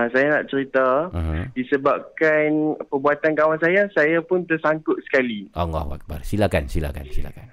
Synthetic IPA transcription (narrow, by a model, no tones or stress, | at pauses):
asajana̰ʔt͡ʃəɾit̪adisəbap̚kanpəbuat̪ankawansajasajapʊnt̪ərsaŋkʊt̪̚sə̥kaliʔɔŋɔ̰hwa̰k̚barsilakansila̰ka̰nsila̰kan